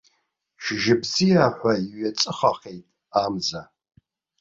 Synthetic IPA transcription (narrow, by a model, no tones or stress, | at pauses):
ʃʒɪbzijaːħʷaiɥɛt͡sʼɨχɐqejtʼ | aːmzɐ